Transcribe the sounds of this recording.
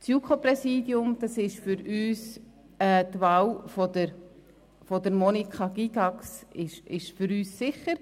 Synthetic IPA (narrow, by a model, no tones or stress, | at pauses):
t͡sjukʰoprɛsiːdjʊmd̥ɑsɪʃfʏɾyːs | ɛːtʋaːlfɔdəɾ | fɔdəɾmɔnikχɑɡ̥iɡɑksɪʃɪʃfʏɾyːsːɪχəɾ